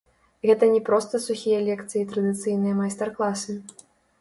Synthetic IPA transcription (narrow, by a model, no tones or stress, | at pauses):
ɣɛt̪ɐnʲɛpɾɔst̪ɐsuxʲijɐlʲɛkt̪sɨjit̪ɾɐd̪ɨt̪sɨjnɨjɐmajst̪ɛrklˠasɨ